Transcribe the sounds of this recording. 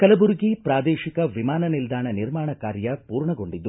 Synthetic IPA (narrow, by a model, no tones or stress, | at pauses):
kɐlɐbuɾɡipɾaːd̪eːʃikɐʋimaːnɐnild̪ʱaːɳɐniɾmaːɳɐkaːɾjɐpuːɾɳɐɡo̞ɳɖid̪ːu